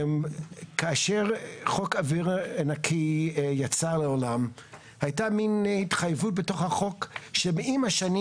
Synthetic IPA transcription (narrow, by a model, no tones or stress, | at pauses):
mkaːʃeʁχokaviʁanakʰijat͡saleolam | hajtaminhitχajvut̚betoχhaχokʃemeimaʃani